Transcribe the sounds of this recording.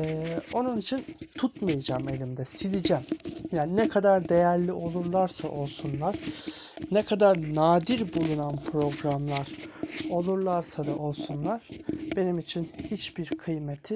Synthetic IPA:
ɛːo̞nunit͡ʃʰint̪ʰut̪majad͡ʒame̞lʲimd̪ɛsilʲid͡ʒɛmjaːninɛkʰad̪aɾd̪e̞jæɾlʲiʔo̞lˠuɾlˠaɾsaʔo̞lˠsunlˠaɾ̥ | nɛkʰad̪aɾnaːd̪iɾbulˠunanpʰɾo̞ɡɾamlˠaɾ̥o̞lˠuɾlˠaɾsad̪aʔo̞lˠsunlˠaɾ̥be̞nimit͡ʃʰinhit͡ʃbiɾkʰɯjmet̪ʰi

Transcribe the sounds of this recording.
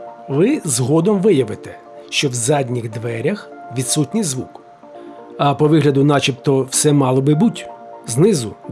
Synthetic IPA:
ʋɪzɦɔd̪ɔmʋɪjɐʋɪt̪ɛ | ʃt͡ʃɔwzɑdʲnʲiɣd̪ʋɛɾʲɐx | ʋʲid̪sutʲnʲijzʋuk | ɐpɔʋɪɦlʲɐd̪ʊnɑt͡ʃipt̪ɔwsɛmɑlˠɔbɪbutʲznɪzʊ

